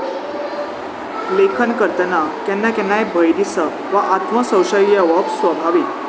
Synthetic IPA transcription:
lekʰənkəɾt̪ənakɛnːakɛnːajbʱəjɾisə | ʋaʔat̪məsə̃wɕəijəʋəbsʋəbʱaʋi

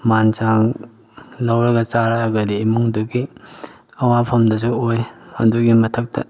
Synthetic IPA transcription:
mant͡ʃaŋ | lɐwɾɐɡɐt͡ʃaɾaːɡɐdiːmuŋduɡi | ɐwapʰɐmdɐs̬uojhɐ̰nduɡimɐtʰɐk̚tʰɐ̰

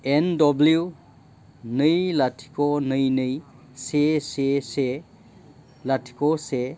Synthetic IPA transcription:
endɔblju | nɯjlatʰi̥kʰɔnɯjnɯj | sesese | latʰi̥kɔse

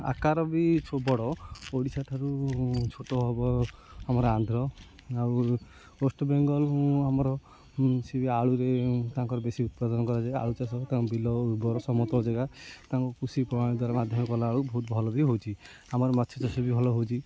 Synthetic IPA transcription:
a̰kaɾɔbit͡ʃʰobɔɽɔoɽisaʈʰaɾut͡ʃʰoʈɔɦɔbɔamɔɾeand̪ʱɾɔ | aw | osʈɔbeŋɡɔlũamɔɾɔ | sebiaɭuɾet̪aãŋkɔɾɔbesiut̪̚pad̪ɔnɔkɔɾad͡ʒaa̰ɭut͡ʃasɔt̪abilɔbɔɾɔsɔmɔt̪ɔɔd͡ʒaɡat̪aaŋkɔkusipɾɔmaɽ̃id̪ʱwaɾamad̪ʱjɔmɔkɔlaːɭubɔɦut̪bʱɔlɔbiɦowt͡ʃʰi | amɔɾɔmat̪ʰːt͡ʃʰɔt͡ʃasɔbibʱɔlɔɦot͡ʃʰi

